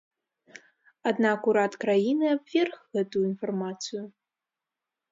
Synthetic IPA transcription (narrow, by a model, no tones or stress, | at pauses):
ad̪nakuɾat̪kɾajinɨabvʲɛrxɣɛt̪ujuinfarmat̪sɨjʊ